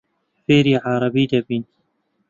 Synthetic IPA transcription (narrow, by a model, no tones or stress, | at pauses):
feːɾiːʕɑɾˤɑbiːd̪ɐbiːn